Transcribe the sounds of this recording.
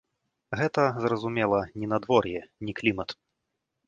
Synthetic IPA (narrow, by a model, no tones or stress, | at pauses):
ɣɛt̪ɐzrɐzumʲɛlˠɐnʲinad̪vɔrjɛnʲiklʲimɐt̪